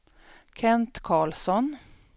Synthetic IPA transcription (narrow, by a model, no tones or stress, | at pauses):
kʰɛnt̪kʰɑːɭsɔn